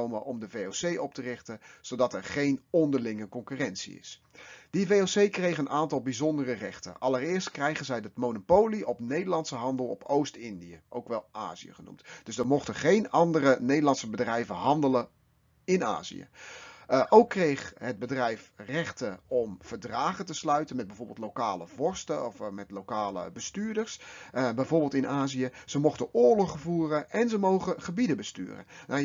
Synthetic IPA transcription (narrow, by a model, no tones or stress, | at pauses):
owməʔɔmdəvejowsejʔɔp̚tərɪχtəz̥owdɑtɛɹχejnɔndəɹlɪŋəkɔŋkyːrɛntsḭɪ̰sd̥ivejowsejkrejχənʔaːntɑlˠbizɔndərərɛχtə̰nʔɑlərɪːɹstkrɛjχənzɛjdətmownopowliʔɔpnejdəɹlɑntsəɦɑndəlˠɔpʰowstɪndijəʔowkʋɛlˠʔa̰ːzḭə̰χənṵmtd̥ɵsdəɹmɔχtəχejnɑndərənejdəlɑntsəbədrɛjvəɦɑndələ | ɪna̰ːzḭjə̰ | ʔowkːrejχɦəd̚bədrɛjfrɛχtəɔmv̥əɹdraːχətəslœɥtənmɛd̚bɛjvoːɹbɪlˠtlokaːləv̥ɔɹstəɔfmɛtlowkaːlə̰bəstyːɹdəɹsbɛjvʊːɹbɪːlˠtɪnʔaːzijəz̥əmɔχtənʊːɹlɔχəvuːrənɛnzəmowχəχəbidəbəsty̰ːrə̰na